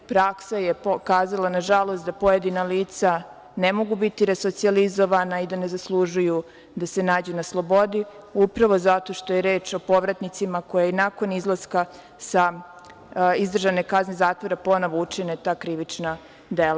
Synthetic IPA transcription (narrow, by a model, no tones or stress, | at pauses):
pɾaksajepkaːzalanaʒalˠo̞st̪d̪apo̞jed̪inaliːt̪sa | nemo̞ɡubit̪iɾesot̪sializo̞ʋanaid̪ane̞zaslˠuʒuju | d̪ase̞naːd͡ʑunaslˠo̞bo̞d̪i | upɾaʋo̞zat̪o̞ʃt̪ojeɾeːt͡ʃo̞po̞ʋɾat̪nit̪simako̞jainako̞nizlˠaska | sa | izd̪r̩ʒane̞kaznezaːt̪ʋo̞ɾapo̞no̞ʋout͡ʃinet̪aːkɾiʋit͡ʃna | d̪ela